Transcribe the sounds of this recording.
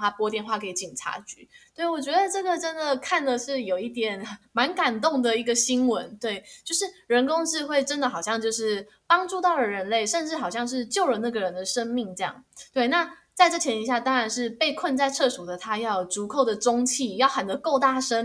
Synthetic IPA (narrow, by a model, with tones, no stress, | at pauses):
a˥pwɔ˥t̪jɛ˥˧nxwa˥˩kʰi˨˦t͡ɕi˨˩nʈ͡ʂʰa̰˧˥t͡ɕy̰˧˥˦tt̪we˥˩ɪwɔ˨˩t͡ɕɥɛ˧˥d̪ə˧ʈ͡ʂə˥˩ɡə˨ʈ͡ʂə˥nd̪ə˨kʰa˥˩ndə˨ʂɻ̩˥˩jo˨˩ʊi˥˩t̪jɛ˨˩n˩ma˧˥nka˨˩nt̪ʊ˥˩ŋd̪ə˨i˧˥ɡə˨˩ɕi˥nwə˧˦nt̪we˥˩ɪt͡ɕjo˥˧ʊʂɻ̩˥˩ɻə˧˥nkʊ˥ŋʂɻ̩˥˧xwe˥˩ɪʈ͡ʂə˦nd̪ə˨xɑ˨˩ʊɕjɑ˥˧ŋt͡ɕjo˥˧ʊʂɻ̩˥˩ | pɑ˥ŋʈ͡ʂu˥˧t̪ɑ˥˩ʊlə˩ɻə˧˥nle˥˩ɪʂə˥˧nʈ͡ʂɻ̩˥˩xɑ˨˩ʊɕjɑ˥˧ŋʂ̬ɻ̩˥˧t͡ɕjo˥˩ʊlə˨˩na˥˩ɡə˩ɻə˧˦nd̪ə˨ʂə˥ŋmi˥˩ŋʈ͡ʂɤ˥˧jɑ̰˥˩ŋt̪we˥˩ɪna˥˧t͡sa˥˧ɪʈ͡ʂɤ˥˩t͡ɕʰjɛ˧˥ni˧˥ɕja˥˩t̪ɑ˥ŋɻa˧˦nʂɻ̩˥˧pe˥˧ɪkʰwə˥˧nt͡sa˥˧ɪʈ͡ʂʰɤ˥˩ʂu˨˩d̪ə˦t̪ʰa˥jɑ˥˩ʊʈ͡ʂu˧˥kʰo˥˩ʊd̪ə˩ʈ͡ʂʊ˥ŋt͡ɕʰi˥˩jɑ˥˩ʊxa˨˩nd̪ə˧˦ko˥˧ʊt̪a˥˩ʂə˥n